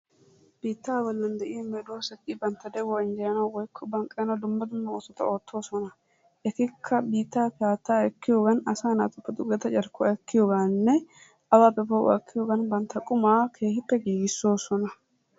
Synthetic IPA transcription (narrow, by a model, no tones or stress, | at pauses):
b̥iːt̪ːaːbɔlːɐnd̪ɛʔɪjɐmɛd̪oːsɐkʼːibɐnt̪ːɐd̪ɛwɔɪnd͡ʒɛjɐnɐwwɔjkʰːɔbɐŋkʼːɛjnɐwd̪ʊmːɐd̪ʊmːɐoːsɔt̪ɐ̰o̞ːt̪ʰːo̞ːsɔnɐ | ʔɛt̪ɪkʰːɐbiːt̪ːaːpɛaːt̪ːaːɛkːɪjoɡɐnɐsaːna̰ːt̪ʊpːɐd̪ʊɡɛt̪ɐt͡ʃʼɐɾkːɔɛkːɪjoɡaːnːɛ | ɐwaːpːɛbɐw̰kʰːɪjoːɡɐnbɐnt̪ːɐkʼʊmaːkʰe̞ːhɪpːɛɡiːɡɪsːo̞ːsɔnɐ